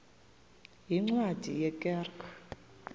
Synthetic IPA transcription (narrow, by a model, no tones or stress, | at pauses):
jiŋ͡ǀwad̥ʱḭjɛkʼɛrkʰʼa